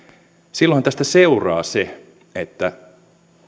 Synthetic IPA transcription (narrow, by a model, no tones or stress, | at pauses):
silːohɑnt̪æst̪æseurɑ̰ːse | et̪ːæ